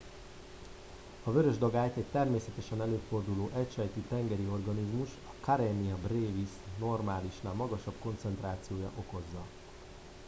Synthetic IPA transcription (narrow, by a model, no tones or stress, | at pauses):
ɒvøɾø̞ʒd̪ɒɡaːjt̪ɛct̪ɛrmeːsɛt̪ɛʃɛnɛløːfo̞rd̪uloːʔɛcʃɛjt̪yt̪ɛŋɡɛɾio̞rɡɒnizmuʃɒkaɾɛniɒbreːvisno̞rmaːliʃnamɒɡɒʃɒbko̞nt̪sɛnt̪raːt̪sijoːjɒ̰ʔo̞ko̞zːɒ